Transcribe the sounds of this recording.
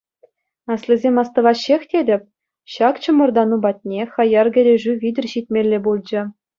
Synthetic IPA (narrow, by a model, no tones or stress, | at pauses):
ɑslʲˠizʲemʲɑst̪ɤ̆ʋɑɕːexʲtʲedʲɘ̆pʲ | ɕɑkt͡ɕɤ̆mɤ̆rd̪ɑnubɑt̪ʲnʲexɑjɑrɡʲɘ̆ɾʲeʐyʋʲidʲɘ̆rʲɕitʲmʲelʲːebulʲˠd͡ʑɘ̆